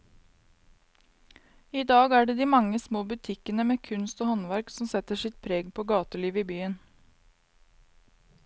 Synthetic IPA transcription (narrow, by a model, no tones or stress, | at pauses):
iːd̪ɑːɡæːɖeːd̪iːmɑŋːəsmoːbʉt̪ʰɪkənəmeːkʰʉnst̪oːhɔnʋæɾksɔmsɛt̪əʂɪt̪̚pʰɾeːɡpʰoːɡɑːt̪əɭiːʋiːbyːən